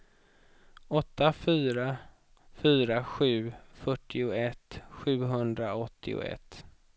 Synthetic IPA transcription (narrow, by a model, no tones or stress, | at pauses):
ɔt̪ːafyːɾa | fyːɾaɧʉ̟ːfœʈʰːɪʊɛt̪ːɧʉ̟ːɦɵnd̪ɾaɔt̪ʰːɪ̰ʊ̰ɛ̰t̪ː